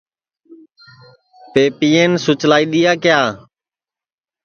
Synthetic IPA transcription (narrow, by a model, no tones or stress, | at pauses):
peːpiːeːnsʊt͡ʃlaːiːɗ̪ɪjaːkɪjaː